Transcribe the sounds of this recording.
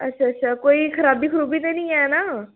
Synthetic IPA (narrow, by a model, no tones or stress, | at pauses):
ə̰tːʃʰaːətːʃʰaːkoːiːkʰəɾaːbiːkʰəɾuːbiːt̪enĩːɛnaː